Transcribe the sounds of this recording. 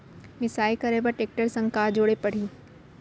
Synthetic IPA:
mɪsaːikɐɾeːbɐʈeːk̚ʈəɾsɐ̃ŋkaːd͡ʒoːɽepɐɽ̤iː

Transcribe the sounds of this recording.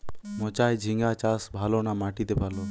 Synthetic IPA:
mɔt͡ʃaːjd͡ʒʱiŋɡat͡ʃasbʱalonamaʈit̪ebʱalo

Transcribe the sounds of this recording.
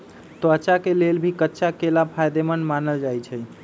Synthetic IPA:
t̪oət͡ʃakelelbʱikətːʃʰakelapʰajd̪emənmanəld͡ʒajt͡ʃʰɛ

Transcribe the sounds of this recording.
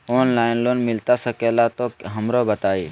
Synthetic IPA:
oːnlaːɪnloːnmɪlt̪asəkeːlat̪oɦɐmɾobət̪aːiː

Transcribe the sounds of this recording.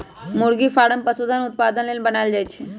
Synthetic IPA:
mʊɾɡifʰaːɽəmpɐsud̪ʱanʊt̪̚paːd̪ənlelbɐnaːld͡ʒaːet͡ʃʰe

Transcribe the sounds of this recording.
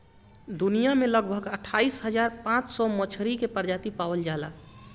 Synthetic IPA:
d̪unijameləɡbʱəɡəʈʰaisɦəd͡ʒaɾpãt͡ʃsɔmət͡ʃʰɾikepəɾd͡ʒat̪ipawəld͡ʒala

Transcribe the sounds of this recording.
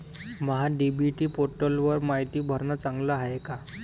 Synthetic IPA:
məɦaɖibiʈiːpoɾʈəlʋəɾmaɦjt̪iːbʱəɾnat͡saŋɡlaaɦeka

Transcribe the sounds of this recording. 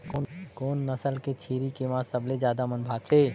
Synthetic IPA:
koːnːəsəlket͡ʃʰiːɾikemãsəbled͡ʒjaːd̪amənbʱaːɡ̚t̪eː

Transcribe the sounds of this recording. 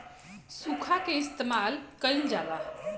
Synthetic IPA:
sukʰakeɪst̪emaːlkəjld͡ʒaːla

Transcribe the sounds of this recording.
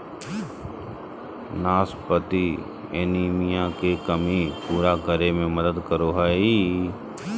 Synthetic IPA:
naːspət̪i | ḛniːmijãkekəmipuːɾaɡəɾemẽməd̪əd̪kəɾoɦaːi

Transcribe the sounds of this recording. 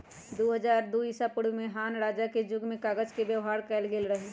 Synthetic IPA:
d̪oɦəd͡ʒaːɾd̪oːisapʊɽmẽɦaːnɾaːd͡ʒaked͡ʒʊɡmẽkaːɡəd͡ʒkebjəʋɦaːɾkɛːlɡeːlɾəɦe

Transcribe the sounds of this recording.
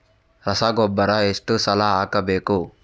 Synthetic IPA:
ɾɐsaːɡɔbːɐɾɐeʂʈusɐlaːaːkɐbeːku

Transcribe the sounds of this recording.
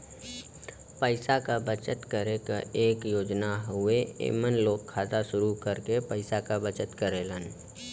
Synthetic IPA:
pəɪsakabət͡ʃət̪kəɾekaʔeːkjoːd͡ʒnaɦʊeḛːmənloːɡkʰːaːzaʃʊɾukəɾkepəɪsakabət͡ʃət̪kəɾelən

